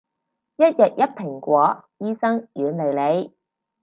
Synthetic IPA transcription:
jɐ˥t̚jɐ˨k̚jɐ˥t̚pʰɪ˨˩ŋkʷɔː˨˥jiː˥sɐ˥ŋjyː˨˧nle˨˧jle˨˧j

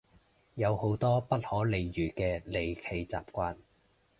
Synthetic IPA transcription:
jɐ˨˧who˨˥wt̪ɔː˥pɐ˥t̚hɔː˨˥le˨jɥyː˨˩kɛː˧le˨jkʰe˨˧jt͡sa̰ː˨p̚kʷaː˧n

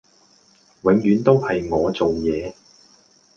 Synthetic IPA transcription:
wɪ˨˥ŋjyː˨˧˥nt̪o˥whɐ˨jŋɔː˨˧t͡so˨wjɛː˨˧

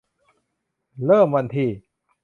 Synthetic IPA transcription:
ɾɤː˥˩mwa˧nt̪ʰiː˧

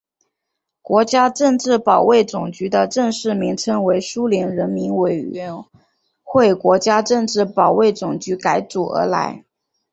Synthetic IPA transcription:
kwɔ˧˥t͡ɕja˥ʈ͡ʂɤ˥˧ŋʈ͡ʂɻ̩˥˩pɑ˨˩ʊwe˥˩ɪt͡sʊ˨˩ŋt͡ɕy˧˥d̪ə˧ʈ͡ʂɤ˥˧ŋʂɻ̩˥˩mi˧˥ŋʈ͡ʂʰɤ˧˥ŋwe˧˥ɪʂu˥ljɛ˧˥nɻə˧˥nmi˧˥nwe˨˩ɪɥɛ˧˥n | xwe˥˩ɪkwɔ˧˥t͡ɕja˥ʈ͡ʂɤ˥˧ŋʈ͡ʂɻ̩˥˩pɑ˨˩ʊwe˥˩ɪt͡sʊ˨˩ŋt͡ɕy˧˥ka˧˥ɪt͡su˨˩ə̰˧˥la̰˧˥ɪ

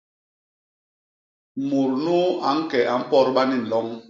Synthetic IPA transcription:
mu˨ɾnu˦a˨˦ŋ̩˦kɛ˨ʔa˨m̩˦pɔ˦ɾɓa˦ni˦n̩˨lɔ˦ŋ

